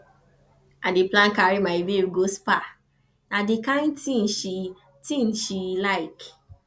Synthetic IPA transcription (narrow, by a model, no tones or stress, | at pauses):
ʔadeplãnkaɾimaibeɡospa | nadikãɪ̃ntĩnʃi | tĩnʃilaɪk